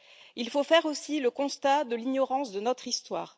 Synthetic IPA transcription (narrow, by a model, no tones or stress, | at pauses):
ilfofɛʁosiləkɔ̃st̪ad̪əliɲɔʁɑ̃sd̪ənɔt̪χist̪wa̰ːʁ